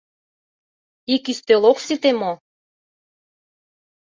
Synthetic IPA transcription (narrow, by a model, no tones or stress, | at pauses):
ikyst̪øloksit̪emo